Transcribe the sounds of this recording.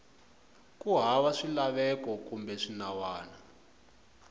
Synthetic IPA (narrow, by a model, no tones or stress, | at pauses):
kuɦawaʂilaβɛkɔkumbɛʂinawaːna